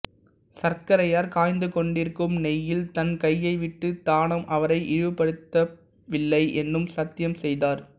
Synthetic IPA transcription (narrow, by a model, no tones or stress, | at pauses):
sɐɾkɐɾɐjaːɾkaːjnd̪ɯkɔɳɖɪɾkɯmnɛjɪlt̪ɐnkɐjːɐɪʋɪʈːɯt̪aːnɐmʔɐʋɐɾɐɪʔɪɾɪʋɯpːɐɽɯt̪ːɐ | ʋɪlːɐɪʔɛnrɯmsɐt̪ːɪjɐmsɛjðaːɾ